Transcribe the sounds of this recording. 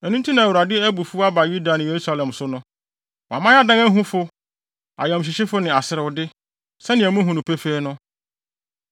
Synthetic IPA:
ɛ˨nũ˦tʰĩ˦nã˨ɾa˨dɪ˦æ˦bu˨fu˦a˦ba˨ju˦da˨nɪ̃˨je˨ɾu˦sa˦lɛ̃˨msʊ˦nʊ̃˦ | wmã˦a˦dã˦ŋæ˦ɦũ˦fʊ˦ | a̰˨jɛ̃˨m˨ɕ̬ɪ˨ɕɪ˦fʊ˦nɪ̃˨a˨sɪ˨ɾɪ˨wʊ˨dɪ˦ | sɛ˦nɪ̃˨æ˨mũ˦ɦũ˨nũ˨pʰe˦fe˦nʊ̃˦

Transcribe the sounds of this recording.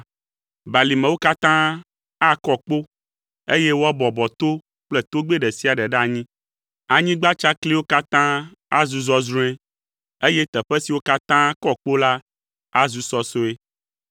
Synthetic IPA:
ba˨li˨mɛ̃˨wo˦ka˦t̪ã˦ | a˦kɔ˦k͡po˦ | e˦je˦wo˦a˦bɔ˨bɔ˨t̪o˦ | k͡plɛ˦˨t̪o˦ɡ͡be˦ɖɛ˨si˦a˨ɖɛ˨ɖa˨ɲĩ˦ | a˨ɲĩ˦ɡ͡ba˦t͡ʃa˦kli˦wo˦ka˦t̪ã˦ | a˦zu˨zɔ˦zɾũ˦ɛ̃˦ | e˦je˦t̪ɛ˨ɸɛ˦si˨wo˦ka˦t̪ã˦kɔ˦k͡po˦la˦ | a˦zu˦sɔ˦so˦e˦

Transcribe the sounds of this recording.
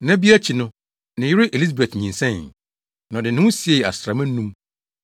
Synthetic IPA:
nã˦bi˦æ˦t͡ɕʰi˨nʊ̃˦ | nɪ̃˨jɪ˦ɾɪ˦ʔe˨li˦s̬be˨tɲĩ˨nsɛ̃˦˨n | nã˨dɪ˨nɪ̃˦ʊ̃˦si˨˦e˦˨a̰˨sɾa˨mæ̃˦nũ˦m

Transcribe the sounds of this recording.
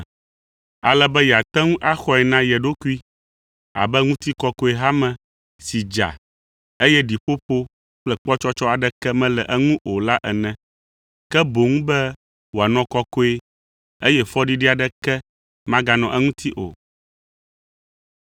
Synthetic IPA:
a̰˨lɛ˨bɛ˦jɛ˨a˨t̪ɛ˦ŋũ˦ʔa˦xɔ˦ɛ˨nã˦jɛ˨ɖo˦ku˦i˦ | a̰˨bɛ˦ŋũ˦t̪i˦kɔ˦ko˦e˨ɦa˦mɛ̃˨ | si˨d͡ʒa̰˨ | e˦jɛ˦ɖi˨ɸo˦ɸo˦ | k͡plɛ˦k͡pɔ˦t͡ʃɔ˦t͡ʃɔ˦a˨ɖɛ˦kɛ˦mɛ̃˦lɛ˨ʔɛ˦ŋũ˦ʔo˨la˦ʔɛ˨nɛ̃˨ | kɛ˦bo˨ŋũ˦bɛ˦ | wo˨a˨nɔ̃˦kɔ˦ko˦e˦ | e˦jɛ˦fɔ˦ɖi˦ɖi˦a˨ɖɛ˦kɛ˦ | mã˦ɡa˨nɔ̃˨ʔɛ˦ŋũ˦t̪ʰi˦ʔo̰˨

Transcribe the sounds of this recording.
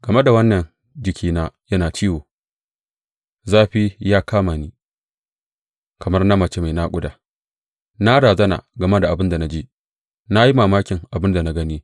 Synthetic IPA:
ɡ̥ɐ˨me˦da˨wɐ˦nːɐ˨n | d͡ʒɪ˨kʲʰiː˦naː˦jɐ˦naː˨t͡ʃiː˦woː˨ | zaː˦ɸi˦jaː˦kaː˦maː˨niː˦ | kɐ˨mɐ˦rna˦mɐ˨t͡ʃe˦ma˨jna˦kʷʊ˦daː˨ | na˦ɽaː˨zɐ˦na̰˨ɡɐ˨ma˦da˨ʔa˨bɪ˦nda˨na˦d͡ʒiː˦ | na˦ji˦maː˨maː˦kʲɪ˨ŋʔa˨bɪ˦nda˨na˦ɡɐ˦niː˦

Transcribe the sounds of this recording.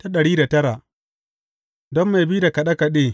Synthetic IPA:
ta˦ɗɐ˨ɽiː˦da˨tɐ˦ɾa˨ʔ | dɔ˦mːa˨biː˦da˨ka˨ɗa˦ka˨ɗeː˦

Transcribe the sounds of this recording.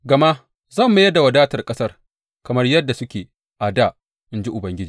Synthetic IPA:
ɡɐ˨ma˦ | zɐ˦˨mːa˦jɐ˦da˨wɐ˨daː˦tɐ˨rkʼɐ˦sɐ˦r | kɐ˨mɐ˦rjɐ˦dːa˨sʊ˦kʲeː˨ | ʔa˨daː˦˨ | ʔɪ˦nd͡ʒi˦ʔʊ˨bɐ˦ŋɡʲɪ˦d͡ʒiː˨

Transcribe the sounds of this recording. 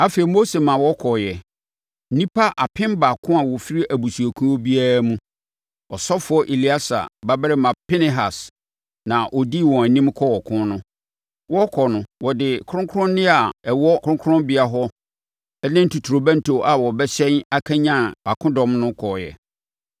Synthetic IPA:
a˦fe˨i˨mo˦se˨mã˨wɔ˦kʰɔ˨jɛ˨˦ | nĩ˦pʰa˦ʔa˨pʰɪ̃˦mba˨kʰʊ̃˦a˨wɔ˨fi˦ɾi˦ʔæ˨bu˨su˨æ˨kʰũ˦ɔ˦bi˦a˦ɾa˦mũ˦ | ɔ˨sɔ˦fʊ˦ɔ˦ʔe˨li˦a˦sa̰˨ba˦bɪ˦ɾɪ˦mã˨pʰɪ˦nɪ˦ɦa˨s | nã˨ʔɔ˨di˦˨wɔ̃˨æ˨nĩ˦mkʰɔ˦ɔ˨kʰʊ̃˦nʊ̃˦ | wɔ˦kʰɔ˨nʊ̃˨wɔ˨dɪ˨kʰʊ˦ʊ̃˦ŋkʰʊ˦ɾʊ̃˦n˦nɪ̃˦a˨ɛ˨wɔ˦kʰʊ˦ɾʊ̃˦kʰʊ˦ʊ̃˦mbi˨a˨ɦɔ˦ | ɛ˦nɪ̃˦n̩˦tu˨tʰɾo˨bã˦n˦tʰo˨ʔa˨wɔ˨bɛ˦ɕɛ̃˦na˦kʰã˦ɲã˦˨a˨kʰʊ̃˦dɔ̃˨mnʊ̃˦kʰɔ˨jɛ̰˨

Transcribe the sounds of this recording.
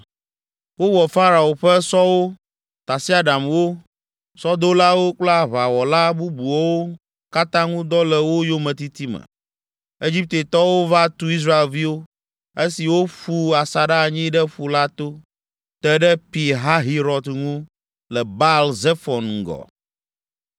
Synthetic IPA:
wo˦wɔ˨fa˦ɾa˨o˨ɸɛ˦sɔ˦wo˦ | t̪a˨si˦a˨ɖa˨mwo˦ | sɔ˦d̪o˦la˦wo˦k͡pla˦βa˨wɔ˨la˦bu˦bu˨o˦wo˦ | ka˦t̪ã˦ŋũ˦d̪ɔ˦lɛ˨wo˦jo˦mɛ̃˨t̪i˦t̪i˦mɛ̰̃˨ | e˦d͡ʑi˦p̚t̪e˨t̪ɔ˦wo˦va˦t̪u˦i˦s̬ɾa˦e˨lvi˦wo˦ | e˦si˨wo˦ɸu˦a˨sa˨ɖa˦˨ɲĩ˦ɖɛ˦ɸu˨la˦t̪o˦ | t̪ɛ˦ɖɛ˦pi˨ɦa˦ɦi˦ɾɔ˨d̪ŋũ˦ | lɛ˨ba˦lze˦fɔ˨nŋ̩˨ɡɔ̰˨

